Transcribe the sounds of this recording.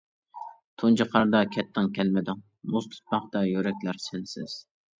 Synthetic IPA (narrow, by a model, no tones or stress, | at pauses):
t̪ʰunt͡ʃɑqʰɑɾd̪ɑkʲʰɛt̪ʰːɪŋkʲʰɛlmɪd̪ɪŋ | must̪ʰɨ̥t̪̚pɑχd̪ɑjøɾɛkʲlæɾsɪnsɪz̥